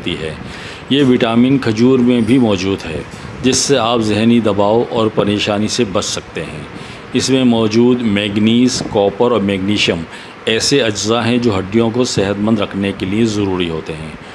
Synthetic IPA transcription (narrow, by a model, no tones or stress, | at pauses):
t̪iɦɛː | jeːʋɪʈaːmĩːnkʰɐd͡ʒuːɾmẽbʱimɔːd͡ʒuːd̪ɦɛː | d͡ʒɪsːeaːpzɪɦnid̪ɐbaːoʔɔːɾpɐɾeːʃaːnisebɐt͡ʃʰsɐk̚t̪eɦɛ̰̃ː | ɪsmẽmɔːd͡ʒuːd̪mɛːɡniːzkɔːpəɾɔːɾmɛːɡniːʃiəm | ɛːseɐd͡ʒzaɦɛ̃d͡ʒoːɦɐɖːijõkosɛɦət̪mə̃nd̪ɾɐkʰnekeliezɐɾuːɾiɦoːt̪eɦɛ̰̃ː